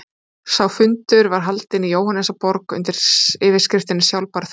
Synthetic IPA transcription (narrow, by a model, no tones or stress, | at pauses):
sawfʏnt̪ʏɾvaɾ̥ɦalt̪ɪnijoːwhanɛsapɔɾkʏ̰nt̪ɪɾ̥ɪːvɪɾ̥skɾɪft̪ɪnːɪsjawlpaɾθ